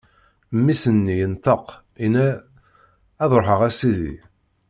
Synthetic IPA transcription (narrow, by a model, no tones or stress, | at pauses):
mːisənːijənt̪əq | inæ | ðɾˤoħəʁæsiðḭ